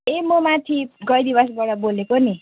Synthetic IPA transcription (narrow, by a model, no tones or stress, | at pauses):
emomat̪ʰiɡʌjd̪ibʌs̬bʌɽʌbolekoni